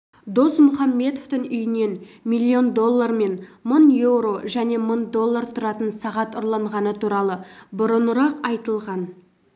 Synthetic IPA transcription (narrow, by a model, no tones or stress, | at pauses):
d̪o̞smʊχɑmːe̞t̪oft̪əŋʏjɪne̞nmilʲːio̞nd̪o̞lˠːarme̞nmʊnje̞wɾo̞ʒæne̞mənd̪o̞lˠːaɾt̪ʰʊɾɑt̪ənsɑʁɑt̪ʊɾlˠɑɴʁɑnət̪ʰuɾɑlˠəbʊɾənʊɾɑqɑjt̪əlˠʁɑn